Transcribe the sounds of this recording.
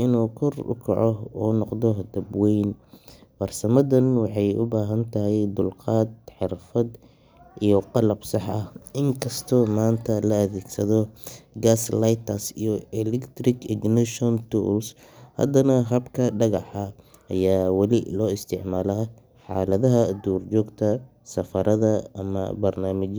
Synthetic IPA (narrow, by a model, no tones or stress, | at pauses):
ʔɪnuːkʰɔrʊ̰kʰɐ̰ʕɔuːnɔqd̪ɔd̪ɐbwɛjnwɐrsɐmɐðɐnwɑħɑjʊbaːɦɐnt̪ʰɐɦɛjd̪ʊlqɑːd̪̚ħɪrfɐd̪ | ʔijɔqɑlɐbsɑħʔɐhɪŋkʰɐst̪ʰɔmaːnt̪ʰɐlɐɐðeːɡsɐðɔɡaːslajt̪ʰɐsḭjɔɛlɛkt̪rɪɡɪɡnɪʃɔnt̪ʰṵls | hɐ̰d̪ɐnɐɦɐbkʰɐɖɐɣɑħɐ | ʔɐjaːwɑlɪlɔːɪst̪ʰɪʕmaːlɐ | ħɑ̰ːlɐðɐɦɐd̪uːrt͡ʃɔːɡt̪ʰɐ | sɐfɐɾʔɐðɐɐmɐ̰bɐrnaːmɪt͡ʃ